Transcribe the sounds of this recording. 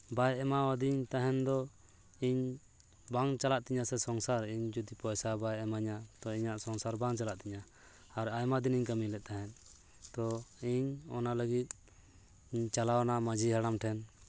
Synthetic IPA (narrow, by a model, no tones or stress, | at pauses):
bajɛmawad̪iɲt̪aɦɛnd̪ɔ | iɲ | baŋt͡ʃalaʔt̪iɲasɛsɔŋsaɾiɲd͡ʒɔd̪ipɔjsabajɛmaɲat̪ɔiɲaʔsɔŋsaɾbaŋt͡ʃalaʔt̪iɲa | aɾajmad̪iniɲkəmilɛʔ̪̚t̪aɦɛn | t̪ɔiɲɔ̰naləɡit̪̚ | ɲt͡ʃalawnaməd͡ʒiɦaɽamʈʰɛn